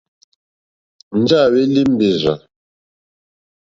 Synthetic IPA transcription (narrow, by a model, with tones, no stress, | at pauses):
n̩˦d͡ʒa˦˨we˦li˦m̩˦be˨za˨